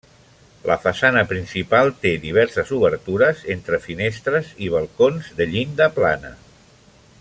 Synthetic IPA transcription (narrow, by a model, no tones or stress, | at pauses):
lʔə̰fasanəpɾinsipalˠt̪eðiβ̞ɛɾsəzuβəɾt̪uɾəzent̪ɾəfinest̪ɾəziβ̞əlˠkonzðəʎind̪əplanə̰